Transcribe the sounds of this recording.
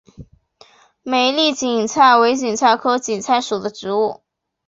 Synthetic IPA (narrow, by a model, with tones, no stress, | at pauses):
me˨˩ɪli˥˩t͡ɕi˨˩ŋt͡sʰa˥˩ɪwe˧˥ɪt͡ɕi˨˩ŋt͡sʰa˥˩ɪkʰɤ˥ʊt͡ɕi˨˩nt͡sʰa˥˩ɪʂu˨˩d̪ə˦ʈ͡ʂɻ̩˧˥u˥˩